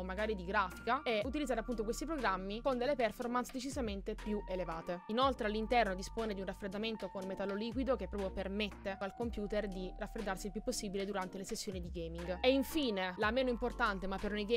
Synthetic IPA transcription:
mːaɡaːɾid̪iɡɾaːfikaeut̪̬ilid̪zaɾeapːunt̪okwest̪ipɾoɡɾamːikond̪elːepɛrformansd̪et͡ʃizament̪epjuʔelevaːt̪einolt̪ɾealːint̪ɛrnod̪ispoːned̪iunrafːɾed̪ːament̪okonmet̪alːoliːkwid̪ok̟epːɾɔːpɾjopermet̪ːealkompjuːt̪erd̪irafɾed̪ːarsilpjupːosːiːbiled̪uɾant̪elesesːjoːnid̪iɡemiŋɡeiɱfiːnelameːnoimport̪ant̪emapːeɾnejɡe

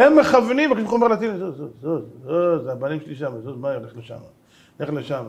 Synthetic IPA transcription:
emːeχavnimvakiʃeχomeʁlat̪inzozozozozeabanimʃeliʃamazozmaeleχleʃa̰ma | neχleʃama

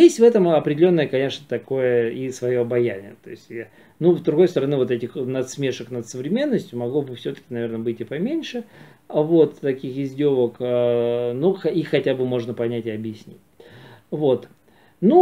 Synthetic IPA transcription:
jesʲtʲvɛt̪əmɐpɾʲɪdʲɪlʲo̞nːəjəkɐnʲe̞ʂnət̪ɐko̞jəisvɐjo̞ɐbɐjænʲɪ̰jət̪o̞̰ɪsʲtʲ | nuzd̪ɾʊɡo̞jst̪əɾɐnɨvo̞t̪ɛtʲɪxnɐt̪smʲeʂəknət̪səvɾʲɪmʲe̞nːəsʲtʲjʊmɐɡlˠobɨfsʲɵt̪ə̥kʲɪnɐvʲe̞rɾnəbɨtʲɪpɐmʲenʲʂɨ | vo̞t̪ːɐkʲixɪzʲdʲo̞vəkənuxixːɐtʲabɨmo̞ʐnəpɐnʲætʲɪɐbjɪsʲnʲḭtʲvo̞t̪ | nu

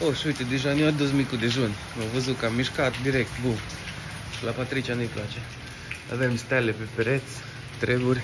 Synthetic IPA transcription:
oʃut̪ed̪eʒaniad̪ozmikud̪eʒunʲ | novəzukamiʃkat̪d̪iɾɛk̚t̪bu | lapat̪ɾit͡ʃʲanujplat͡ʃe | a̰vemst̪alepepɾet̪s | t̪ɾebuɾʲ

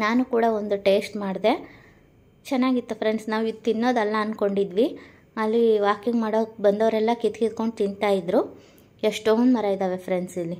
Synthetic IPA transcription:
naːnukuːɽɐond̪uʈeːsʈmaːɽd̪e̞ | t͡ʃɛnːaːɡit̪ːupʰɾeɳɖsnaːʋid̪t̪inːo̞ːd̪ɐlːɐɐnko̞ɳɖid̪ʋi | ɐlːiʋaːkiŋɡmaːɽobɐnd̪ɐʋɾɛlːɐkit̪kid̪ko̞ɳɖt̪int̪aːjid̪ɾu | eʂʈoond̪mɐɾaːjid̪aːʋepɾeɳɖsilːi

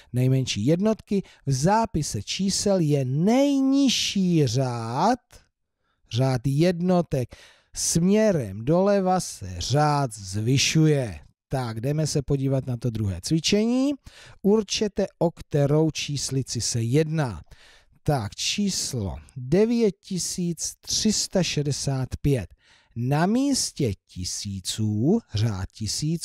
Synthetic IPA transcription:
nɛjmɛnʃḭːjɛdno̞t̪kɪ | vzaːpɪsɛt͡ʃiːsɛljɛnɛjɲɪʃiːraːt̪ | r̝aːt̪jɛdno̞t̪ɛk | smɲɛɾɛmdo̞lɛvasɛ̰r̝aːt̪zvɪʃujɛ | t̪aɡdɛmɛsɛpo̞ɟiːvat̪nat̪o̞d̪ɾuɦɛ̰ːt͡svɪt͡ʃɛɲiːʔuɾt͡ʃɛt̪ɛʔokt̪ɛɾo̞wt͡ʃiːslɪt͡sɪsɛjɛdna̰ː | t̪akt͡ʃiːslo̰dɛvjɛt̪̚cɪsiːt͡st̪r̥ɪst̪aʃɛdɛsaːt̪pjɛt̪̚ | namiːscɛcɪsiːt͡suːra̰ːt̪cɪsiːt͡s

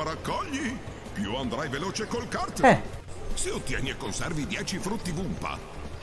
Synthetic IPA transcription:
aɾakːɔʎːi | pjuand̪ɾajveloːt͡ʃekolkart̪ɛseot̪ːja̰nːiekːonsɛrvid̪jɛːt͡ʃifɾut̪ːibumpa̰

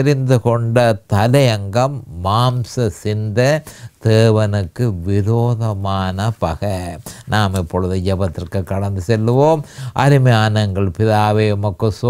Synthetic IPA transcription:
ɾɪnd̪ɯkɔɳɖɐt̪ɐlɐjɐŋɡɐmːaːmsɐsɪnd̪ɐd̪̥eːʋɐnɯkːɯʋɪɾoːðɐmaːnɐpɐɣɐnaːmɪpːɔɻɯðɯd͡ʒɐbɐt̪ːɪrkɯkːɐɽɐnd̪ɯsɛlːɯʋoːmɐ̰ɾɪmɐjaːnɐŋɡɐɭpɪðaːʋeːʊmɐkːɯso

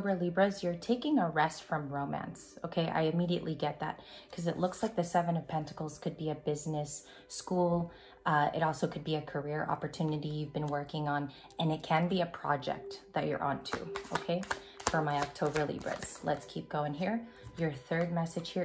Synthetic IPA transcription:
bə˞libɹɨzjə˞tʰeɪkɪ̃ŋəɹɛstfɹʌ̃mɹõʊ̃mæ̰̃nsoʊkʰeɪʔa̰ɪɨmiɾiɨ̰ʔliɡɛt̪̚ðæ̰t̚kʰʌzɨʔˡlʊkslaɪk̚ðɨsɛvɨ̃nʌv̥pʰɛ̃ntɨ̥kl̩ˠz̥kʰɨd̚biɨbɪznɨs | kulˠ | ɪ̰ɾɔlˠsoʊkʰɨd̚biɨkʰə˞ɪɹʔɑ̰pə˞tʰʉnɨɾijʉvbɨ̃nwɜ˞kɪ̃ŋə̃n | ɨ̃nɨt̚kʰɨ̃nbiɨpʰɹ̥ɑ̰d͡ʒɛ̰k̚t̪ðɨt͡ʃə̰˞ʔɑ̰̃ntʰʉ̰ʔoʊkʰeɪ | fə˞maɪɑk̚tʰoʊbə˞lḭbɹɨ̰z̥lətskʰip̚ɡ̥oʊɪ̃ŋɦiɹ | jə˞θɜ˞d̚mɛsɨ̥ʒ̥hi

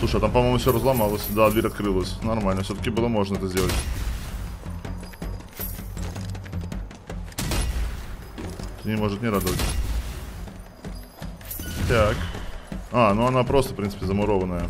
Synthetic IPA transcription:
sˠuʂɨjat̪ampɐmojmʊfsʲoɾəzlˠɐmalˠəsʲd̪ad̪vʲeɾʲɐt̪kɾɨlˠəsʲnɐrmalʲnəfsʲot̪əkʲɪbɨlˠəmo̞ʐnəɛt̪əzʲdʲelˠətʲ | t̪ɨnʲɪmo̞ʐɨt̪nʲɪɾad̪əvətʲ | t̪ʲak | anuɐnapɾo̞st̪əfpɾʲinsɨpʲɪzəmʊɾo̞vənːəjə

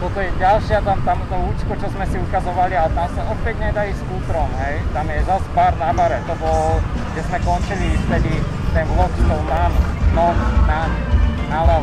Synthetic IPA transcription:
t̪ɔt̪ɔjɛɟalʃɪat̪amt̪amt̪ɔut͡ʃkɔt͡ʃɔzmɛsiukazɔʋalialɛt̪amsaɔpɛɟɲɛd̪aiskuːt̪ɾɔmɦɛjt̪amjɛzaspaːɾnamaɾɛt̪ɔbɔlʒɛzmɛkɔnt͡ʃilift̪ɛd̪i | t̪ɛnlɔt̪t̪ɔwnannɔnnamnala

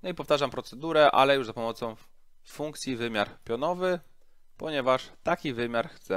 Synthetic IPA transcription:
nɔipɔft̪aʐampɾɔt̪sɛd̪uɾɛʔa̰lɛjuʐzapɔmɔt̪sɔ̃w̃ | fuŋkt̪sʲjivɘmʲjaɾpʲjɔnɔvɘ | pɔɲɛvaʂt̪akʲivɘmʲjaɾxt̪sɛ

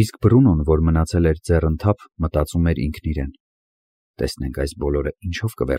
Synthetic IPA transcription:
isk̚bərunɔnvɔɾmənɑt͡sʰɛlɛɾd͡zɛrənt̪ʰɑpʰmət̪ɑt͡sumɛɾḭŋkʰniɾɛn | t̪ɛsnɛŋkʰɑjsbɔlɔɾəint͡ʃʰɔvkəvɛ̰r

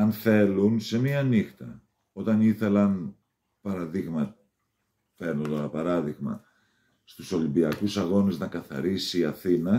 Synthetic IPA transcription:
ɐnθe̞lunse̞miɐnixt̪ɐ̰ | o̞t̪ɐniθe̞lɐn | pɐɾɐðiɣmɐ | fe̞ɾnot̪oɾɐpɐɾɐðiɣmɐ̰ | st̪uso̞limbiɐkusɐɣo̞neznɐkɐθɐ̰ɾisiːɐθinɐ

